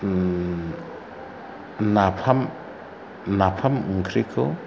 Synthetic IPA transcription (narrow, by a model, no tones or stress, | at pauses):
napʰam | napʰamŋkʰɾikʰɯ